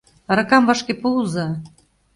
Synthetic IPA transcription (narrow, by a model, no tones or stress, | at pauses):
ɾɤ̆kɑmvɑʃkepulzɑ